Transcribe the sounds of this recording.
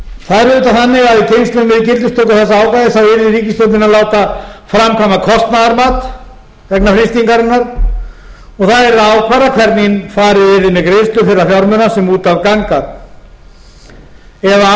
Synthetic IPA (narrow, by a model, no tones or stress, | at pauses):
θaðɾʏːt̪aθanːɪɣaðɪcʰejnst̪ʏnmɪðcɪlt̪ʏst̪ʰowkaθɛsːaaːwkajðɪθawɪɾðɪɾiːcɪst̪owt̪nɪnaðlaːwt̪afɾamkʰamakʰɔst̪naðaɾmaːt̪ | vɛknafɾɪst̪iŋkaɾɪnːaɾ̥ | ɔɣθaðɛɾðaːwkʰvaːɾakʰvɛɾt̪ninfaːɾɪðɪɾðɪmːɪkɾejst̪lʏfɪɾɪafjawɾmʏnasɛmuːt̪avkaŋkaɾ | ɛða